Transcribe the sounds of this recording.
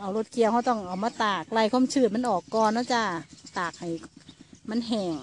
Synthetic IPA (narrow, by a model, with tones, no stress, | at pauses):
ʔa˨˩wlo˧˩t̪̚kʰi˧˨ə˨wha˧˩wt̪ɔ˧˥˩ŋʔa˨˩wmaː˧˥˨t̪aː˨˩k̚la˧˩jkʰa˧˥˨mt͡ɕʰɯː˧˩ma˧˥˨nʔɔː˨˩kːɔː˧nːa˧˥˩wt͡ɕa˧˩t̪aː˨˩k̚ha˨˩jma˧˥˨nɦɛː˨˩ŋ